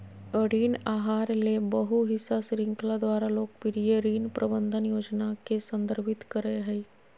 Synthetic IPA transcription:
əɽiːnaːɦaːɾlebəɦuɦɪsasɾɪ̃ŋklad̪waːɾaloːɡ̚pɪɾijeɾiːnpɾʔəbə̃nd̪ʱənjoːd͡ʒnakesə̃nd̪əɾbʱɪt̪kəɾeɦɛi

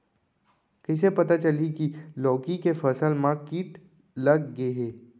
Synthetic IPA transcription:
kɪs̬epɐt̪at͡ʃəlikilɔːkikefɐsəlmãkiːʈ | lɐɡːeɦeː

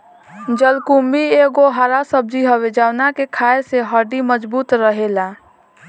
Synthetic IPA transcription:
d͡ʒəlkumbieɡoɦaɾasəb̚d͡ʒiɦəwed͡ʒawnakekʰaːeseɦəɾɖiməd͡ʒbuːt̪ɾəɦela

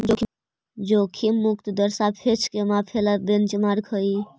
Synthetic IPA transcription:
d͡ʒokʰi | d͡ʒokʰimːuk̚t̪d̪əɾsapʰet͡ʃʰkemapʰelabent͡ʃmaɾkʰəi

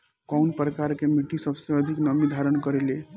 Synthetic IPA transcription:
kɔwnpɾəkaɾkemiʈisəbsə̃əd̪ʱiknəmid̪ʱaɾənkəɾele

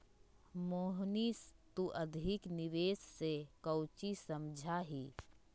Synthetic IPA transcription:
moːɦnist̪uʔəd̪ʱɪknɪʋeːsːekəwt͡ʃisəmd͡ʒʱaɦiː

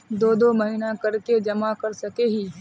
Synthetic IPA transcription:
d̪oːd̪omɐɦinakɐɾked͡ʒɐmakɐɾsɐkeːɦiː

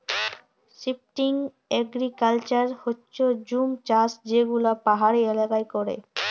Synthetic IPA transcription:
sip̚ʈiŋ | ɛɡɾikalt͡ɕaɾhotːɕod͡ʑumt͡ɕasd͡ʑeɡulapaɦaɾielakajkɔɾḛ

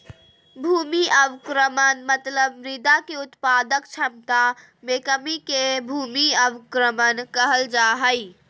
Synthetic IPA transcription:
bʱuːmiʔəʋkɾəmənmət̪ləbmɾɪd̪akeʊt̪pad̪əkt͡ʃʰəmt̪a | mekəmikebʱuːmiəbkɾəmənkəɦəld͡ʒaɦəj

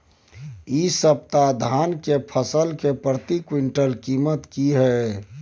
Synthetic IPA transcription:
isəp̚t̪ad̪ʱaːnkepʰəsəlkepɾət̪ikwɪɳʈəlkiːmət̪kiɦɛ

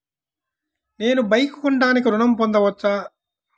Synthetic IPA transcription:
ne̞ːnubɐjkuuɳɖaːnik̬iɾuɳɐmpond̪ɐʋɐt͡ʃːaː

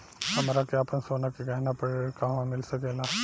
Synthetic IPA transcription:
hɐmɾakeapənsoːnakeɡajnapɐɾkaʋãmɪlsɐkeːla

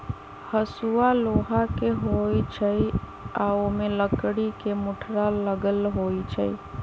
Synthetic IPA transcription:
həsualoɦakeɦojt͡ʃʰəj | aomeləkɽikemuʈʰɾaləɡəlɦojt͡ʃʰə̰j

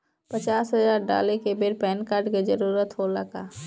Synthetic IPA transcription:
pət͡ʃaːsɦɐzaːɾɖa̰ːlekebeɾpɛːnkaːɾɖkezɐɾuːɾət̪ɦoləɡaː

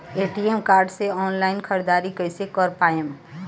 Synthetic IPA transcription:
eːʈiemkaːɾɖseɔːnlaːɪnkʰəɾd̪aːɾikəɪsekɔɾpaːem

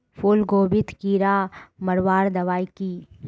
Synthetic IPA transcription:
pʰulɡoːbɪt̪kiːɾaːmɐɾʋaːɾd̪ɐʋaːikiː

